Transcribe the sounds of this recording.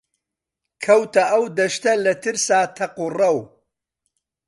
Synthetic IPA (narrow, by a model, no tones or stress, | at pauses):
kʰɐwt̪ʰɐʔɐwd̪ɐʃt̪ɐlɐt̪ʰɨɾsaːt̪ʰɐqurɐw